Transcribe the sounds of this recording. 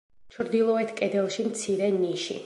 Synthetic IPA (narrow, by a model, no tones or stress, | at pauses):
t͡ʃʰɾd̪ilˠɔɛt̪ʰkʼɛd̪ɛlˠʃimt̪sʰiɾɛniʃḭ